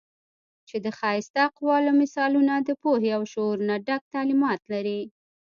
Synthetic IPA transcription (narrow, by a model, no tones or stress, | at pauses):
t͡ʃed̪əxɑɪst̪aqwɑlomɪsɑlunad̪əpoɦeawʃoɾunaɖak̚t̪ɑlimɑt̪laɾi